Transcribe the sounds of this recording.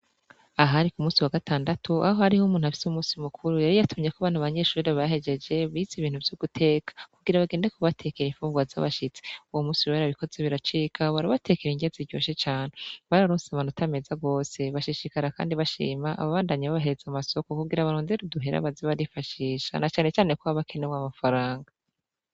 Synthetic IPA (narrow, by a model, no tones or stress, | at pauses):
aɦaɾikumuːsiwaɡataːndatuaɦohaɾihumuːnuafi̥sumuːsimukʰuɾujaɾijatʰumɲekoaβaːnhuaβaɲe̞ʃuːɾeββahe̞d͡ʒe̞d͡ʒe̞βiziβiːn̥huvjuɡ̥utʰe̞ːkḁkuɡiɾaβaɡeːndekuβatʰe̞keɾiɱfuːŋɡwaza̰βaʃit͡se̥uwomuːsiweɾaβiko̞zeβiɾat͡ʃiːkʰaβaɾaβate̞keɾiŋɡeziɟo̞ːʃet͡ʃaːneβaɾaɾusaβanutame̞zaɡo̞ːse̞βaʃiʃikaɾaka̰ːndiβaʃḭːmaʔa̰βaβaːndaɲaβaβaɦe̞ɾez̥amaso̞ko̞kuɡiɾaβaɾoːndeɾuduɦeɾa̰βaziβaɾifaʃiːʃa̰nat͡ʃaːnet͡ʃaːnekwohaβakʰe̞neβwamafaɾaːŋɡa